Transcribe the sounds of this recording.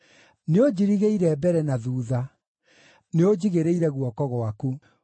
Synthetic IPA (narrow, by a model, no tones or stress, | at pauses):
neod͡ʑiɾiɣeiɾɛbɛɾɛnaðuːða | neod͡ʑiɣeɾeiɾɛɣwɔkɔɣwaku